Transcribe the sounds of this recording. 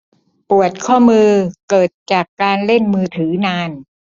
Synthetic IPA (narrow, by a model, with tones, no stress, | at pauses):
pu˨˩ət̪̚kʰɔː˥˩mɯː˧kɤː˨˩t̪̚t͡ɕaː˨˩kːaː˧nle˥˩nmɯː˧t̪ʰɯː˩˦naː˧n